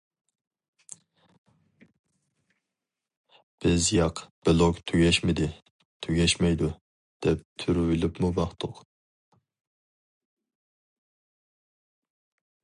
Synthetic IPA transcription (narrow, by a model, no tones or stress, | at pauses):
b̥ɪzjɑqb̥ɪlˠokt̪ʰyɡʲɛʃmɪd̪ɪ | t̪ʰøɡʲɛʃmɛjd̪u | d̪̥ɛp̚t̪ʰyɾwylɪpmubɑχt̪ʰʊq